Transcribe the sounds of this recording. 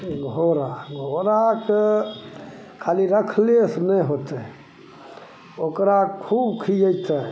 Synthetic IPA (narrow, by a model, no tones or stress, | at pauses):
ɡʱoɾaɡʱoɾake | kʰaliɾəkʰlesnɛɦot̪ɛ | okɾakʰubkʰid͡ʒəjt̪ə